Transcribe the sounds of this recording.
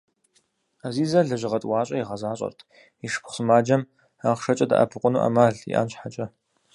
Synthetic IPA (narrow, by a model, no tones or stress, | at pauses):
aziːzɐɮɐʒɪʁɐtʼwaːɕʼɐjiʁɐzaːɕʼɐ̰rtʰ | iʂpʰχsɨmaːd͡ʒɐm | aːʁʂɐt͡ʃʼɐda̰ʔɐ̰pʰɨqʷʼʊnuːʔɐ̰maːɮḭʔa̰ːnt͡ʃħat͡ʃʼɐ